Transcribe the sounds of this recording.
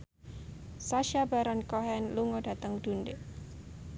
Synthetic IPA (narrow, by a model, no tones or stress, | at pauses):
saʃabaɾankɔɦɛnluŋɔd̥a̤t̪əŋd̥unde